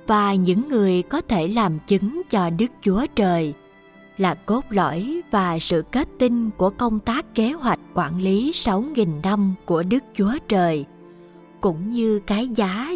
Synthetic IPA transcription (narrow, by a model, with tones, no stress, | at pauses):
vaː˨˩ɲɨ̰˧˥ŋːɨ˨˩əjkɔ˨˦t̪ʰe˧˩laː˨˩mt͡ɕɨ˨˦ŋt͡ɕɔ˧ɗɨ˦˥k̚t͡ɕu˨˦ət͡ɕəː˨˩j | laː˨˩ko˦˥p̚lɔ̰˧˥˨jvaː˨˩sɨ̰˧˨ke˦˥t̚t̪i˧nku˧˩əkə˧wŋ͡mt̪aː˦˥kːe˨˦ɦwa˨˩jk̟̚kwaː˧˩˨nli˨˦sa˨˦wŋi˨˩nːa˧mku˧˩əɗɨ˦˥k̚t͡ɕu˨˦ət͡ɕəː˨˩j | kʊ̰˧˥ŋ͡mɲɨ˧kaː˨˦jzaː˨˦